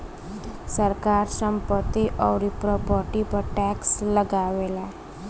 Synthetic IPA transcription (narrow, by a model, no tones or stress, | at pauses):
səɾkaɾsəmpət̪ːiʔɔwɾipɾɔpɔʈipəʈæksləɡaʋela